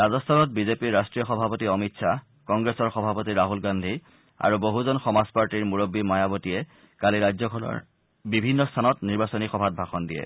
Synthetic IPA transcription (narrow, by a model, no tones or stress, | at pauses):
ɹazɔstʰanɔt̚bizepiɹːastɹijɔxɔbʱapotiɔmitsʰa | kɔŋɡɹesɔɹxɔbʱapotiɹaɦulɡandʱi | a̰ɹuboɦuzɔnxɔmazpaɹtiɹmuɹobːimajabɔtijɛ | kaliɹajzɔkʰɔlɔ̰ɹ | bibʱinːɔstʰanɔtniɹbasɔnixɔbʱat̚bʱaxɔndijɛ̰